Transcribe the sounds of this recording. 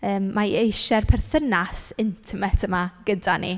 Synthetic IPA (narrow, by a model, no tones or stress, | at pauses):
əːmːaejʃɛrpʰɛrθənasɪntʰɪmɛtʰəmaɡ̥ədanḭ